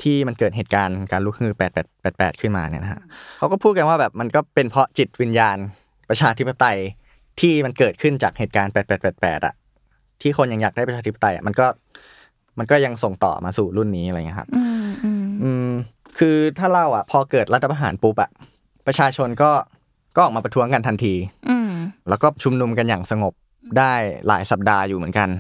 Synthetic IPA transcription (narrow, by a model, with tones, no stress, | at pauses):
t̪ʰiː˥˩ma˧nkɤː˨˩t̪̚ɦeː˨˩t̪̚kaː˧nkaː˧nluː˦˥k̚mɯː˧˩pɛː˨˩t̪̚ɛː˨˩t̪̚pɛː˨˩pɛ̰ː˨˩t̪̚kʰɯ˥˩nma̰ː˧ni˥˩na˦˥kʰa̰˦˥ʔkʰa˦˥wkɔː˥˩pʰuː˥˩t̪̚ka˧nwaː˥˩bɛː˨˩p̚ma˧nkɔː˥˩pe˧npʰɾɔ˦˥t͡ɕi˨˩t̪̚wi˧njaː˧n | pɾa˧t͡ɕʰaː˧t̪ʰi˦˥pːa˧t̪a˧j | t̪ʰiː˥˩ma˧nkɤː˨˩t̪̚kʰɯ˥˩nt͡ɕa̰ː˨˩k̚heː˨˩t̪̚kaː˧npɛː˨˩t̪̚pɛː˨˩pɛː˨˩t̪̚pɛ̰ː˨˩t̪̚ʔa̰˨˩ʔ | t̪ʰiː˥˩xʰo˧nja˧ŋjaː˨˩k̚daː˥˩pa˧t͡ɕʰaː˧t̪i˦˥p̚ːa˧˩t̪a˧ja̰˨˩ma˧nkɔː˥˩ | ma˧nkɔː˥˩ja˧ŋso˨˩ŋt̪ɔ̰ː˨˩maː˧suː˨˩ɾu˥˩nːiː˦˥ʔɾjŋi˦˥kʰa̰˦˥p | ʔɯː˧˩m | kʰɯː˧t̪ʰaː˥˩ɾa˧˩wʔa˨˩pʰɔː˧kɤː˨˩t̪̚ɾa˦˥t̪ʰːa˧pʰːʔa˧ɦa̰ː˩˦npu˦˥p̚ʔa̰˨˩ʔ | pɾa˧t͡ɕʰaː˧t͡ɕʰo˧nkɔː˥˩ | kɔː˥˩ʔɔː˨˩kmaː˧pɾa˧t̪ʰu˦˥əŋka˧nt̪ʰa˧nt̪ʰiː˧ | lɛː˦˥wkɔː˥˩t͡ɕʰu˧mnu˧mka˧njaː˨˩ŋsa˧ŋo˨˩p̚ | daː˥˩jla̰ː˩˦jsa˨˩p̚daː˧juː˨˩mɯ˩˦nŋka˧n